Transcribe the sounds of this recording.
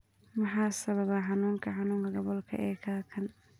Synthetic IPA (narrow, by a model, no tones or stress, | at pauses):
mɑħɑːsɐβɐβaːħɑnuːŋkʰɐħɑnuːŋkʰɐɡɔβɔlkʰɐ̰ʔɛːkʰaːkʰɐn